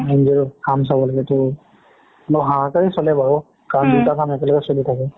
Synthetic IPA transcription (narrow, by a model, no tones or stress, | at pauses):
ɛnziɹkams̬abɔlaɡɛtɔ | lɔɦãkaɹisɔlɛbaɹɔ | kamditakamɛkɛlɔkɛsolitʰakɛ